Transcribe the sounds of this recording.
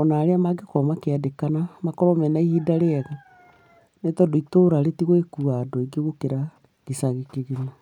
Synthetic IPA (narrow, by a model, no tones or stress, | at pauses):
ɔnaɾeamaɡekɔmakeadekanamakɔɾɔmɛnaihidaɾeaɣa | netɔdoitoɾaɾetiɣwekuaːdoiɡeɣokeɾa | ɡ̥esaɣikeɣena